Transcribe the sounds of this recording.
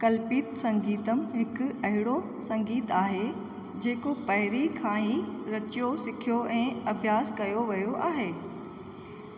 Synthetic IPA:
kɐlpiːt̪sɐ̃ŋɡiːt̪əm̆ɦɪkʊ̆ɐɦɪɽo | sɐ̃ŋɡiːt̪aːɦe | d͡ʑeːkopɐɦɪɾikʰãːiːɾɐt͡ɕijosɪkʰijoʔɛ̃ːɐbʱjaːskɐjoʋɐjoʔaːɦeː

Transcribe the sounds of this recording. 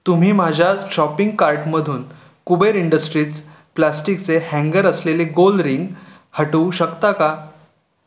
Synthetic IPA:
t̪um̤iːm̤ad͡ʑʱjaɕɔpiŋɡkaɾʈməd̪ʱuːn | kubəjɾiɳɖəsʈɾiːt͡s | plasʈikt͡sehɛ̃ŋɡəɾəsleleɡolɾiŋɡ | həʈəuɕəkt̪aka

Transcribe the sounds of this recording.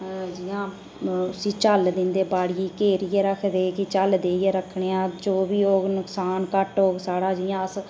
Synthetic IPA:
d͡ʒɪːãː | ʊsiːt͡ʃəld̪ɪnd̪eːbaːɽiːkeːɾijeːɾəkʰd̪eːkɪt͡ʃəld̪eːiːeːɾəkʰɳeːãːd͡ʒoːbiːoːɡnʊksaːnkəʈoːɡsaːɽaːd͡ʒɪjãːəs

